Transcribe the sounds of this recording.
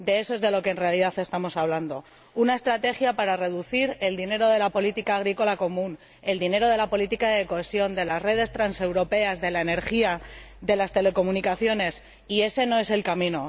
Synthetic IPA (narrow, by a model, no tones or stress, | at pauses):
d̪e̞esoe̞zðe̞lo̞ke̞ːnre̞aliðaθe̞st̪amo̞saβland̪o̞ | unae̞st̪ɾat̪e̞xjapaɾare̞ðuθiɾe̞ld̪ine̞ɾo̞ð̞e̞lapo̞lit̪ikaːɣɾiko̞lako̞mũn | e̞ld̪ine̞ɾo̞ðe̞lapo̞lit̪ikaðeko̞e̞sjo̞nd̪e̞lasre̞ðe̞st̪ɾanse̞wɾo̞pe̞azðe̞lae̞ne̞ɾxia | ðe̞last̪e̞le̞ko̞munikaθjo̞ne̞s | ie̞se̞no̞e̞se̞lkamĩno̞